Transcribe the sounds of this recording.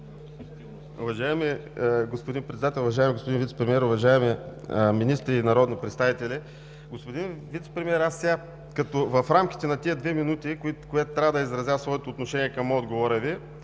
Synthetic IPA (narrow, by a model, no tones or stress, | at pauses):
ṵvɐʒaɛmɛɡospʊd̪inpɾɛt̪d̪at̪ɛlˠʊvɐʒajɛmɛɡospʊd̪invit̪ɛ̥pɾɛmiɛɾʊvɐʒaɛmɛminist̪ɾinɐɾɔd̪nipɾɛt̪st̪avit̪ɛlʲi | ɡospod̪invit̪sɛ̥pɾɛmʲiɛɾasʲa | kɐt̪ovɐfɾamk̟ʲi̥t̪ɛnɐt̪iəd̪vɛminut̪ikikʊɛt̪ʊ̥t̪ːɾʲavəd̪əizɾɐzʲjasvɔɛt̪oːt̪noʃɛniɛkɐmɔd̪ɡovoɾɛvi